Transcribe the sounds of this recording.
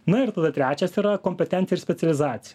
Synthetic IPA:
nɐɪɾt̪ɐd̪ɐt̪ʲɾʲæːt͡ʃʲɛsiːɾɐkoːmʲpʲɛt̪ʲɛnt̪sʲjɛɪɾsʲpʲɛt̪sʲɛlʲɪzɑːt̪sʲɪjɛ

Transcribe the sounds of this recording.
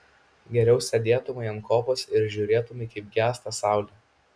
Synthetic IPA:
ɡʲɛɾʲɛʊsʲɛd̪ʲeːt̪ʊmɐɪɐnkoːposɪɾʒʲuːɾʲeːt̪ʊmɐɪkɐɪp̚ɡʲæːst̪ɐsɑˑʊlʲɛ

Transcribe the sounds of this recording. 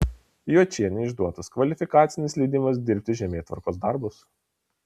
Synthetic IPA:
juːt͡ʃʲiɛnʲɛɪʒd̪uɔt̪ɐskʋɐlʲɪfʲɪkaːt̪sʲɪnʲɪslʲɛɪd̪ʲɪmɐs̬d̪ʲɪɾʲpʲt̪ʲɪʒʲɛmʲeːt̪ʋɐ̰ɾkoːs̬d̪ɐɾbʊs

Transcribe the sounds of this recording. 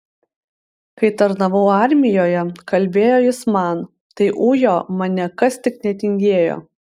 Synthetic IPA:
kɐɪt̪ɐɾnɐʋɐʊɑˑɾʲmʲɪjoːjɛkɐlʲbʲeːjoːjɪsmɑˑn | t̪ɐɪʔuːjoːmɐnʲɛkɐst̪ʲɪknʲɛt̪ʲɪŋʲɡʲeːjo̰ː

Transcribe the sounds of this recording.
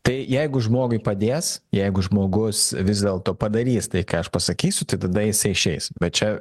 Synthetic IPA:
t̪ɐɪjɛɪɡʊʒmoːɡʊɪpɐd̪ʲeːsjɛɪɡʊʒmoːɡʊsʋʲɪzd̪ʲeːlˠt̪oːpɐd̪ɐɾʲiːst̪ɐɪkɑːɐʃpɐsɐkʲiːsʲʊt̪ɐɪt̪ɐd̪ɐjɪsɐɪɪʃʲɛɪsbʲɛt̪̚t͡ʃʲɛ

